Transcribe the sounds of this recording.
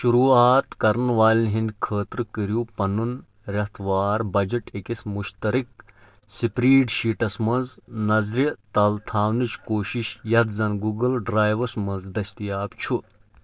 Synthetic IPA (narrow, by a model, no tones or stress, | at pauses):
ʃuɾuːaːt̪kɐɾnʋaːlʲinɦind̪kʰəːt̪ɾɨkəɾjupɐnun | ɾʲɐht̪ʰʋaːɾbɐd͡ʒɐʈekismuʃt̪ɐɾik̚ | sipɾiːɖʃiːʈɐsmɐnznɐzɾit̪ɐlt̪ʰaːwnɨt͡ʃkoːʃiʃjɐt̪zɐnɡuːɡɐlɖɾaːjʋɐsmɐ̃nzd̪ɐsʲt̪ijaːbt͡ʃʰu